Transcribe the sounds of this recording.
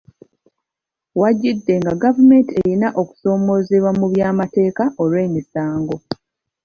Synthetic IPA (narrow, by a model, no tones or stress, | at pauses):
waɟidːe̞ŋɡaɡavume̞ntieɾinaʔoku̥so̞ːmo̞zeβwamuβjaːmate̞ːkaʔo̞lwe̞ːmisaːŋɡo